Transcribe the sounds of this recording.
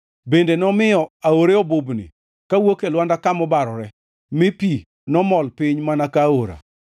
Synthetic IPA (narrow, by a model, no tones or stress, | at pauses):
bendenɔmɪjɔaoɾeɔbʊbnɪ̰ | kawokelwandakamɔbaɾɔɾɛ | mɪpi | nɔmɔlpɪɲmanakaoɾa̰